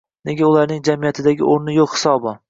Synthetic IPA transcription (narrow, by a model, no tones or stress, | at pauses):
ne̞ɡʲaʊlaɾnɪŋd͡ʒamijat̪ʰɪd̪aɡʲɪ̰ʔoɾnɪjoqhɪ̥sɒbɒ